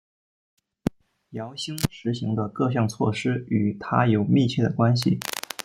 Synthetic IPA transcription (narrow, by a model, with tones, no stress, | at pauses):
jɑ˧˥ʊɕi˥ŋʈ͡ʂɻ̩˧˥ɕi˧˥ŋd̪ə˧kɤ˥˧ɕ̬jɑ˥˧ŋt͡sʰwɔ̰˥˩ʂɻ̩˥y˨˩t̪ʰa˥jo˨˩ʊmi˥˧t͡ɕʰjɛ˥˩d̪ə˩kwa˥nɕ̬i˨˩